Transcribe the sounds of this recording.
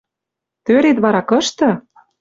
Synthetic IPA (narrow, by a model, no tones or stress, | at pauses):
t̪øɾet̪βɑɾɑkɤ̆ʃt̪ɤ̆